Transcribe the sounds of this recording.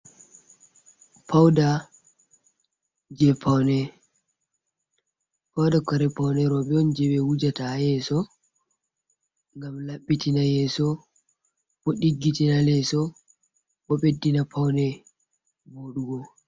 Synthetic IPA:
pʰawda | d͡ʒɛpʰawnɛ | pawdakɔɾɛpawnɛɾɔɓɛɔnd͡ʒɛɓɛwud͡ʒatajɛsɔ | ŋɡamlaɓːitinajɛsɔ | bɔɗiɡːitinalɛsɔ | ɓɔɓedːinapʰawnɛ | boɗuɡɔ

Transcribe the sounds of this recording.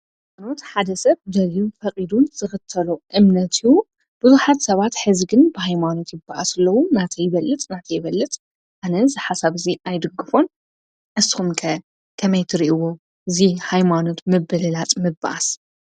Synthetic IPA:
mano̞t̪ħad̪ɐsɐβd̪ɐliufɐqʼid̪unz̥ɨxɨt̪ʰːɐluʔɨmnɐt̪ʰiju | b̥ɨzuħat̪sɐβat̪ħɨzɡɨnbɨhajmano̞t̪jɪbːaʔasɨlːɐwunat̪ʰɐjɪβɐlːɨt̪ʼnat̪ʰɐjɪβɐlːɨt̪ʼ | ʔanɐzɨħasaβɨziʔajd̪ɨɡːɨfo̞n | ʔɨsi̥xumkʰɐ | kʰɐmɐjt̪ʰɨɾiʔiwo | ɨzihajmano̞t̪mɨbɨlɨlat͡sʼmɨba̰ʔa̰s

